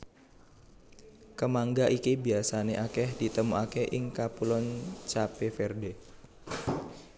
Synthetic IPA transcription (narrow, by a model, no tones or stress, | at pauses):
kəmaŋɡaʔikibiasaneʔakɛhdit̪əmuakeʔɪŋkapulɔnt͡ʃapefɛrde